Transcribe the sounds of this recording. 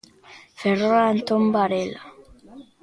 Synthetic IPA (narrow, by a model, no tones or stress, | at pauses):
feroɾant̪ombaɾela